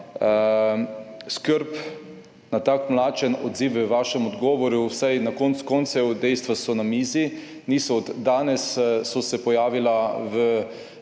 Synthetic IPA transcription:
skəɾp | nat̪akmlaːt͡ʃɛnɔ̰d̪ziːwəʋaːʃɛmɔd̪ɡɔːʋɔɾusajnakɔnt̪skɔnt̪sɛwd̪ɛjst̪ʋasɔnamiːzinisɔːd̪ːaːnɛsːɔsɛpɔjaːʋilaʋə

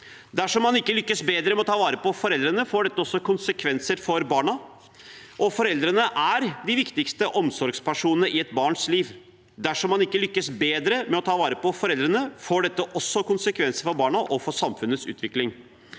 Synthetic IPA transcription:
d̪æʂɔmːɑnɪkːəlʏkːəsbeːd̪ɾəmɛɔt̪ʰɑːʋɑːɾəpɔfɔɾɛld̪ɾənəfoːɖɛt̪ːəɔsːɔkʊnsəkʰʋɛnsəɾfɔɾbɑːɳɑ | ʔɔfɔɾɛld̪ɾənəʔæɾd̪ɪʋɪkt̪ɪkst̪əʔɔmsɔɾɡspʰæʂuːnənəʔɪɛt̪bɑːɳʂliːʋ | d̪æʂɔmːɑnɪkːəlʏkːəsbeːd̪ɾəmɛɔt̪ʰɑːʋɑːɾəpɔfɔɾɛld̪ɾənəfoːɖɛt̪ːəʔɔsːɔkʊnsəkʰʋɛnsəɾfɔɾbɑːɳɑʔɔfɔʂɑmfʉnət̪sʉ̰ːt̪ʋɪklɪŋ

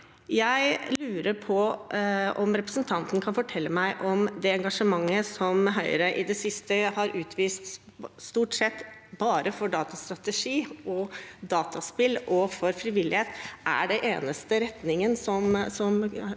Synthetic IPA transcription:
jæɪlʉːɾəɾpʰɔ | ʔɔmɾɛpɾəsənt̪ʰɑnt̪n̩kʰɑnfɔʈʰɛlːəmæɪʔɔmd̪ɛɛŋɡɑʂəmɑŋːəsɔmɦœʏɾəʔɪd̪ɛsɪst̪əhɑɾʉːt̪ʰʋiːst̪st̪uːʈsɛt̪ːbɑːɾəfɔɖɑːt̪ɑst̪ɾɑt̪əʂiːʔɔd̪ɑːt̪ʰɑspɪlʔɔfɔɾfɾɪʋɪlːɪheːt̪ʔæ̰ɖɛʔeːnəst̪əɾɛt̪nɪŋənsɔmsɔm

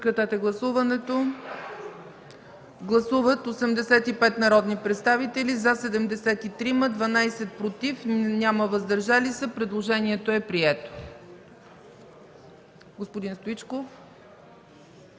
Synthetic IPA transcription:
kɾɐt̪at̪ɛɡlˠɐsuvɐnɛt̪o | ɡlˠɐsuvət̪osɛmd̪ɛsɛt̪ipɛt̪nɐɾɔd̪nipɾɛt̪st̪avit̪ɛlizɐsɛd̪ɛmd̪ɛsɛt̪it̪ɾiməd̪vɐnajsɛt̪̚pɾot̪ifnʲaməvəzd̪ɐɾʒalisəpɾɛd̪lˠoʒɛniɛt̪oɛpɾiɛt̪o̥ | ɡospod̪inst̪oit͡ʃkof

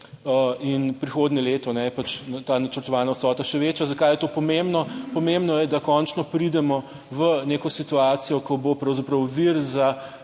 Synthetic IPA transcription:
əinpɾixod̪nʲɛleːt̪ɔnɛpat͡ʃt̪aːnat͡ʃəɾt̪ɔʋaːnawsɔːt̪aʃɛʋeːt͡ʃjazɐkajɛt̪oːpɔmẽmbnɔpɔmembnɔjɛd̪akɔnt͡ʃnɔpɾid̪ɛmɔ | ʋəneːkɔsit̪uaːt̪sijɔkɔbopɾɐwzapɾɐwʋiɾza

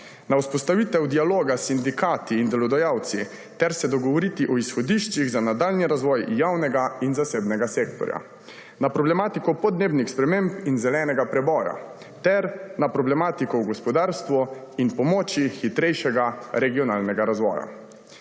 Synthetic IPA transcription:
nawspɔst̪aʋiːt̪ɛwd̪ialoːɡasind̪ikaːt̪iːnd̪ɛlɔd̪ajawt̪si | t̪ɛɾsɛd̪ɔɡɔʋɔɾit̪iʔɔisxɔd̪iʃt͡ʃiɣzanad̪alniɾazʋɔjjawnɛɡainzaseːbnɛɡaseːkt̪ɔ̰ɾja̰ | napɾɔblɛmaːt̪ikɔpɔd̪neːbnixspɾɛmempinzɛlɛːnɛɡapɾɛbɔːja̰ | t̪ɛɾnapɾɔblɛmaːt̪ikɔwɡɔspɔd̪aːɾst̪ʋɔinpɔmɔːt͡ʃixit̪ɾɛjʃɛɡaɾɛɡiɔnaːlnɛɡaɾazʋɔ̰ːja̰

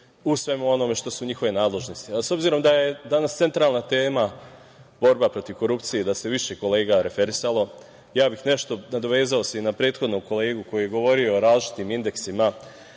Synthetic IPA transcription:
usʋe̞muo̞no̞me̞ʃt̪o̞suɲixo̞ʋe̞naːd̪le̞ʒnost̪iaso̞bziɾo̞md̪aje̞d̪anast̪e̞nt̪ɾaːlˠnat̪e̞ːma | bo̞ɾbapɾo̞t̪iʋko̞ɾupt̪sijed̪ase̞ʋiʃe̞ko̞le̞ːɡaɾe̞fe̞ɾisalˠo̞ | jaːbixne̞ʃt̪o̞nad̪oʋe̞ːzaoseinapɾe̞ːt̪xo̞d̪noko̞leːɡuko̞juje̞ɡo̞ʋo̞ɾio̞ːɾaːzd͡ʒi̥t̪iːmind̪e̞ksima

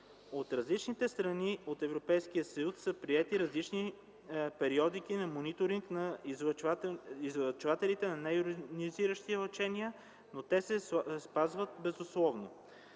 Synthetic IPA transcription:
ot̪ɾɐzlit͡ʃnit̪ɛst̪ɾɐniot̪ɛvɾopɛjsk̟iəsɐjusːɤpɾiɛt̪iɾɐzlit͡ʃni | pɛɾiɔd̪ikinɐmonit̪oɾiŋknɐz | izvɐt͡ʃvat̪ɛlit̪ɛnɐnajuɾid̪iziɾəʃt̪ilɐt͡ʃɛniə | not̪ɛsɛspazvət̪̚bɛzʊslˠɔvno

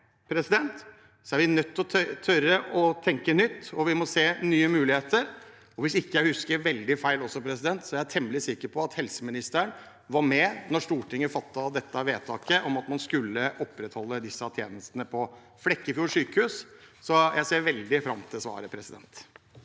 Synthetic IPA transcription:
pʰɾɛsɪd̪ɛnt̪ | sɔæɾʋɪnœt̪ːɔt̪ʰt̪ʰœɾəʔɔt̪ʰɛŋkənʏt̪ːɔʋɪmɔseːnyːəmʉːlɪheːt̪əɾ | ɔʋɪsɪkːəjæɪhʉskəɾʋɛld̪ɪfæɪlɔsːɔpʰɾɛsɪd̪ɛnt̪sɔæɾæt̪ʰɛməlɪsɪkəɾpʰɔɑt̪hɛlsəmɪnɪst̪əəɳ | ʋɑɾmɛnɔʂʈ̪uːʈɪŋːəfɑt̪ːɑd̪ɛt̪ːəʋeːt̪ʰɑːkəʔɔmɑt̪mɑnskʉlːəʔɔpːɾɛt̪hɔlːəd̪ɪsːɑt̪ʰjḛːnəst̪ənəpʰɔ | flɛkːəɪfjuːʂyːkəhʉːssɔjæɪseːɾʋɛld̪ɪfɾɑmt̪ʰɪlsʋɑ̰ːɾəpʰɾɛsɪd̪ɛ̰nt̪

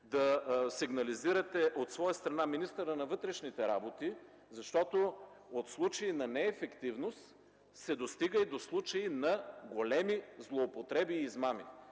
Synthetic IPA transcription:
d̪ɐsiɡnɐliziɾɐt̪ɛʔot̪svɔjəst̪ɾɐnaminist̪əɾənɐvɤt̪ɾɛʃnit̪ɛɾabot̪i | zɐʃt̪ɔt̪o | ot̪slˠut͡ʃɐinɐnɛːfɛkt̪ivnost̪ | sɛd̪ost̪iɡəjd̪oslˠut͡ʃɐinɐɡolɛmizlˠoːpot̪ɾɛbiːzmamḭ

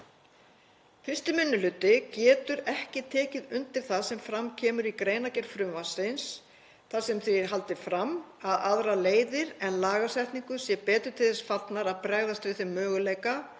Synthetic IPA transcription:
fɪrst̪ɪmʏnːʏlʏt̪ɪcɛːt̪ʏɾɛhcɪt̪ʰɛːcɪðʏnt̪ɪɾ̥θaðsɛmfɾamcʰɛːmʏɾikɾeːjnacɛɾ̥fɾʏmvasɪns | θaðsɛmθiɦalt̪ɪfɾamaðaðɾaleːjðɪɾɛnlaːɣasɛjht̪niŋkʏsjɛpɛːt̪ʏɾ̥t̪ʰɪlθɛsfat̪naɾaðpɾɛɣðast̪ɾɪθɪmːœːɣʏleːjka

